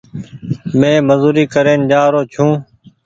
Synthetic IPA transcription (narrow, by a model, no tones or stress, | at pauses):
mẽːməzuːɾiːkəɾeːnd͡ʒaːɾoːt͡ʃʰũː